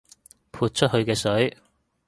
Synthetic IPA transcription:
pʰuː˧t̚t͡ʃʰɵ˥t̚hɵ˧ɥkɛː˧sɵ˨˥ɥ

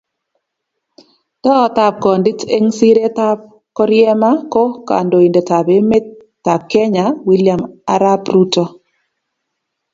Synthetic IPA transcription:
tɔː˦˨˦ta˨p̚kɔ˨ndɪ˦te˦ŋsi˦ɾe˦ta˦p̚ | kɔ˦ɾjɛ˦ma˦ko˦ka̰˨ndo˨i˨nde˨ta˨be˦me˦tːa˨p̚kɛ˦ɲa˨wi˦lja˨ma˦ɾa˦bɾu˦tɔ˦

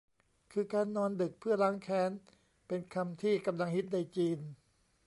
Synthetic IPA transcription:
kʰɯː˧kaː˧nːɔː˧ndɯ˨˩k̚pʰɯ˥˩ɐlaː˦˥ŋkʰɛː˦˥n | pe˧nkʰa˧mt̪ʰiː˥˩ka˧mla˧ŋhi˦˥t̪̚na˧jt͡ɕiː˧n

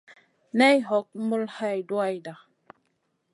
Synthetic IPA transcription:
nɛ˦jɦɔ˨˦k̚mu˦lha˦jdwa˦jda˨

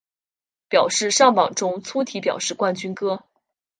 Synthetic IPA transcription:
pjɑ˨˩ʊʂɻ̩˥˧ʂɑ˥˩ŋpɑ˨˩ŋʈ͡ʂʊ˥ŋt͡sʰu˥t̪ʰi˧˥pjɑ̰˨˩ʊʂɻ̩˥˧kwa˥˩nt͡ɕy˥nkɤ˥

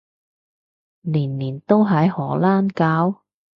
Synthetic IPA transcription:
liː˨˩nliː˨˩nt̪o˥wɦɐ˨˧˥jhɔː˨˩laː˥nkaː˨˥w

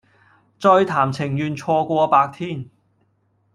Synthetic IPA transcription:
t͡sɔː˧jt̪ʰaː˨˩mt͡sʰɪ˨˩ŋjyː˨nt͡ʃʰɔː˧kʷɔː˧paː˧k̚t̪ʰiː˥˩n

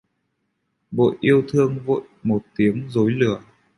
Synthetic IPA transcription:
ɓo̰˧˨jʔi˧əwt̪ʰɨ˧əŋvo̰˧˨jmo˨˩t̚t̪i˨˦əŋzo˨˦jlɨ˧˩ə

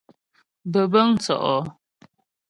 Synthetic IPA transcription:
bə˨bə˦ŋ˦t͡sɔ̰˨ʔɔ˨

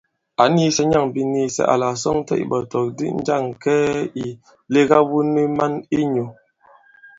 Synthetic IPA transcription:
a˨˦ni˦sɛ˦ɲa˦˨ŋbi˨niː˦sɛ̰˦˨ʔa̰˨la˨sɔ˦ŋtɛ̰˦˨ʔḭ˨bɔ˨tɔ˨k̚dḭ˦n̩˦d͡ʒa˦˨ŋkɛ˦i˨ | le˦ɣa˦wu˦ni˦ma˦ni˦ɲo˨

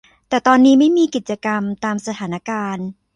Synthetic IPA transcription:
t̪ɛː˨˩t̪ɔː˧nːiː˦˥ma˥˩jmiː˧ki˨˩t̪̚t͡ɕa˧ka˧mt̪aː˧msa˧t̪ʰaː˩˦na˧˥kaː˧n

